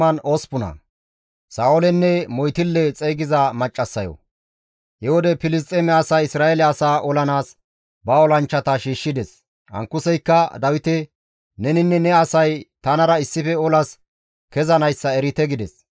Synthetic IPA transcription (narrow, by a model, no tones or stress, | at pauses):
ɐnoːspʊnɐ̰ | saːɔlɛnːɛmɔjt̪ɪlːɛt͡sʼɛjɡɪzɐmɐt͡ʃʼːɐsːɐjɔ̰ | hɛwɔd̪ɛpɪlɪs̬t̪ʼːɛmɛɐsaːɪsɾaːɛlɛɐsaːʔɔlɐnaːs | bɐɔlɐnt͡ʃːɐt̪ɐʃiːʃːɪd̪ɛs | ʔɐ̰ŋkːʊsɛjkːɐd̪ɐwɪt̪ɛ | nɛnɪnːɛnɛɐsɐjt̪ɐnɐɾɐɪsːɪfɛɔlɐs | kɛzɐnɐjsːɐɛɾɪt̪ɛɡɪd̪ɛs